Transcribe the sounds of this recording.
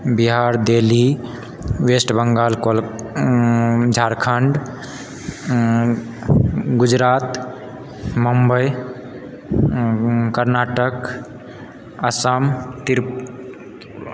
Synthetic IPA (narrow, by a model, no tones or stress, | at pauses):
biɦaɾd̪eli | wesʈbəŋɡalkol | d͡ʒʱaɾkʰəɳɖ | ɡud͡ʒɾat̪ | məmbəj | kəɾnaʈək | əsəmt̪iɾ